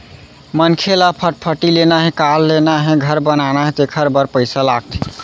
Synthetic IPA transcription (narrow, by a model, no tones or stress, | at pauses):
mənkʰelapʰəʈ̚pʰəʈilenaɦẽkalːenaɦẽɡʱəɾbənanaɦẽt̪ekʰəɾbəɾpəɪsalaɡ̚t̪ʰi̥